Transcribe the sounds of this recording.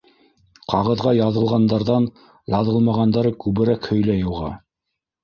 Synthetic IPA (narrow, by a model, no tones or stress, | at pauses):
qʰɑʁɤ̆ðʁɑjɑðɤ̆lˠʁɑnd̪ɑɾðɑn | jɑðɤlˠmɑʁɑnd̪ɑɾɤkʉβɘ̆ɾækhɵ̆jlæjŭlˠʁɑ̰